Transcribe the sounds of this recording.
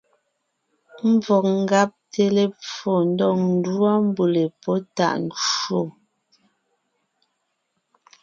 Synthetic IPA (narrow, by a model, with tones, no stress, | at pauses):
m̩˦b͡vɔ˨k̚ŋ̩˦ɡa˦p̚te˨le˨p͡fɔ˨n̩˦dɔ˦˨ŋn̩˦dwa˦m˦bu˨le˨pɔ˦ta̰˨ʔn˨t͡ʃo˦˨